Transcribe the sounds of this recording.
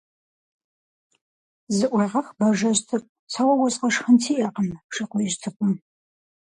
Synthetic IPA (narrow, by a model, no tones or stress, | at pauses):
zɨʔʷɐʁɐxbɐʒɐɕtʰɨq̚ʷ | t͡sʰɐwɐwɔsʼqɐʂxəntʰiːʔɐqəmʂɨqʷʊɪʒtʰɨkʷʼʊm